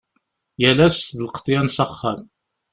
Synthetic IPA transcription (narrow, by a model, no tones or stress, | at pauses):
jælæstðəlqə̥t̪ˤːjænsɑχːæm